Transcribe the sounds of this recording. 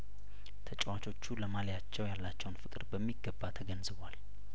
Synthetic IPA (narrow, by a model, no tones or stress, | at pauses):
t̪ʰət͡ʃʼwat͡ʃʰʼo̞t͡ʃːuləmalejat͡ʃːɛwjalːat͡ʃːɛwnfɨkʼɨɾbəmːiɡːəbːat̪ʰəɡənzɨβwal